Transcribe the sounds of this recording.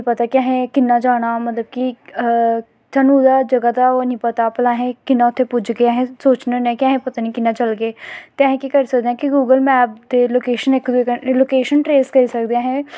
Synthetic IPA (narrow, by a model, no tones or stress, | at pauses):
pət̪aːkɪaɦẽːkɪnːaːd͡ʒaːɽ̃aːmət̪ləb̚ki | t̪ãːnũːd̪aːd͡ʒəɡad̪aːonĩːpət̪aːpəlaːɦẽːkɪnːaːʊt̪ʰːeːpʊd͡ʒɡeːaɦẽːsoːt͡ʃnːnɛ̃ːkɪãːɦẽːpət̪aːnĩːkɪnːaːt͡ʃəlɡeːt̪eaɦẽːkiːkəɾiːsəkd̪eãːkɪɡuːɡəlmɛːp̚d̪eːloːkeːʃənɪkd̪ekəloːkeːʃənʈɾeːskəɾiːsəkd̪eãːɦɛ̃ː